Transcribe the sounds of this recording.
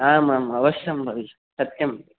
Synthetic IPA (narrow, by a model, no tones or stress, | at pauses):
aːmaːmɐʋɐʃjɐmbʱɐʋi | sɐt̪jɐmbi